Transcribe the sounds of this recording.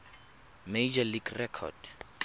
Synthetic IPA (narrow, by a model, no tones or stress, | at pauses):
mejd͡ʒaliɡrɛkʰɔ̰d̥